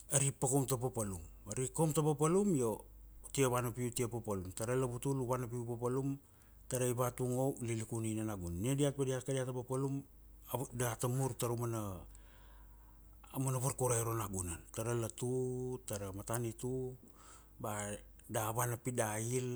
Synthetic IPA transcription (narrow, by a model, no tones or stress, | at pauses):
aɾipakomtapapalumaɾikomtapapalumjo̞ | tiaβanapiutiapapalumtaɾalaβutuluβanap̬iupapalum | taɾaiβatuŋo̞lilikuninanaɡunniediak̚badiakadiatapapalum | daatamuɾtaɾomana | amanaβaɾkoɾajɾonaɡunantaɾalatutaɾamatanitu | ba | daβanapidail